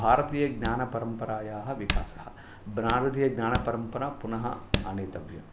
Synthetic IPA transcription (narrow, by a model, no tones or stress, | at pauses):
bʱaːɾɐt̪iːjɐɡnaːnɐpɐɾɐmpɐɾaːjaːɦɐ̆ʋika̰ːsɐhɐ̰ | bɾaːɾɐt̪iːjɐɡnaːnɐpɐɾɐmpɐɾaːpunɐɦɐ̰ɐneːt̪ɐʋʱjɐ̰